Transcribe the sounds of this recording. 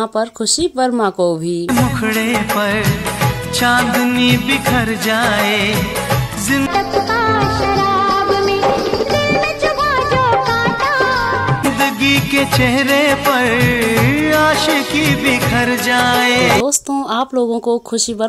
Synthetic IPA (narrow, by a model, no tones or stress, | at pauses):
ãpɐɾkʰʊʃibɐɾmãkobʱiːmʊkʰɽepɐɾ | t͡ʃãːnd̪nibʱikʰɐɾd͡ʒaːe | zɪ̃nt̪ɐpaːʃɐɾaːbmẽɾɪlmet͡ʃʊbaːd͡ʒoːkaːt̪aː | d̪əɡiket͡ʃɛɦɾepɐɾ | aːʃekibʱikʰɐɾd͡ʒaːeːoːst̪õaːploːɡõkokʰʊʃibɐɾ